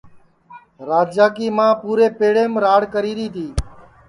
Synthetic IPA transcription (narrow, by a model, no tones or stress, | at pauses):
ɾaːd͡ʒd͡ʒaːkiːmãːpuːɾeːpeːɽeːmɾaːɽkəɾiːɾiːt̪ʰiː